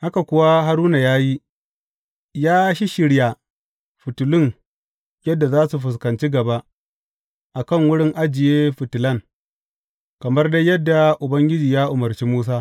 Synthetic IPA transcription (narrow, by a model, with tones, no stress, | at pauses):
ha˦ka˨kʷʊ˦wa˦ɦa˦ɾuː˦na˨jaː˦ji˦ | jaː˦ʃi˦ʃɪ˦ɽja˨ | ɸʊ˨tʊ˨lʊ˦ŋ | jɐ˦dːa˨zaː˦su˨ɸʊ˨s̬kɐ˨nt͡ʃi˦ɡɐ˨ba˦ʔ | ʔa˨kɐ˦˨ŋwʊ˦ɽɪ˦ŋʔa˦d͡ʒɪ˨jeː˦ɸʊ˨tʊ˨lɐ˦˨ŋ | kɐ˨mɐ˦rda˦jjɐ˦dːa˨ʔʊ˨bɐ˦ŋɡʲɪ˦d͡ʒiː˨jaː˦ʔʊ˨mɐ˨rt͡ʃi˦muː˦s̬aː˦